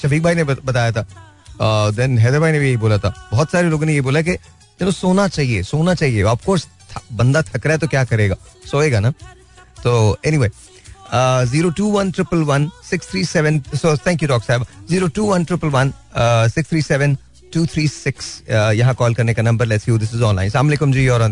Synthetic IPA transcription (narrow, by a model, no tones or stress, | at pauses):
ʃɐfiːk̚bʱaːinebɐt̪aːjat̪ʰaː | d̪ɛ̃nɦɛːd̪əɾbʱaːinebʱijeɦiboːlat̪ʰaːbɔːɔt̪saːɾeloːɡõnejeboːlak̬e | t̪ɪnõsoːnat͡ʃaːɦiesoːnat͡ʃaːɦieɐfkoːɾs | t̪ʰbɐ̃nd̪at̪ʰɐkɾaɦɛt̪̬okjaːkɐɾeːɡaːsoːeːɡana | t̪oːɛniʋeː | ziːɾoʈuːʋɐnʈɾɪpəlʋɐnsɪkst̪ʰɾiːsɛʋə̃nsot̪ʰɛ̃ːŋkjuɖɔːksaːɪbaziːɾoːʈuːʋɐ̃nʈɾɪpəlʋɐn | sɪkst̪ʰɾiːsɛʋə̃n | ʈuːt̪ʰɾiːsɪksjɐɦãkɔːlkɐɾnekanɐ̃mbəɾlɛʈsjuːd̪ɪs̬ɪzɔ̃ːnlaːɪ̃nslaːmleːkʊ̃md͡ʒijɔːɾɔ̃n